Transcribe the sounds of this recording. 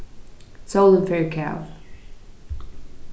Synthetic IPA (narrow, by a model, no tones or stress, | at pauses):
soʊlˠə̃nfɛːɹkʰaʊ